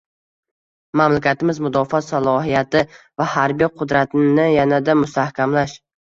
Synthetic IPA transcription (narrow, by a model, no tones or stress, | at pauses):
mamlakʲat̪ɪmɪzmʊd̪ɒfɒsalˠɒhijat̪ʰɪ | vahaɾbijqʰʊd̪ɾat̪ʰɪnɪjanad̪amʊst̪ʰahkʲamlaʃ